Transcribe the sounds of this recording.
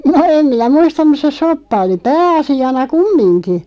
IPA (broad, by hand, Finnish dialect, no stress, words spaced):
no em minæ muistɑm̆ mus se sopːɑ oli pæːɑsiɑnɑ kumːinki